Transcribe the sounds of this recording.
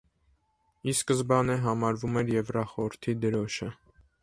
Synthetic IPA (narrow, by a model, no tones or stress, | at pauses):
iskəzbɑnəɦɑmɑɾvumɛɾjɛvrɑχɔəɾt̪ʰid̪əɾɔʃə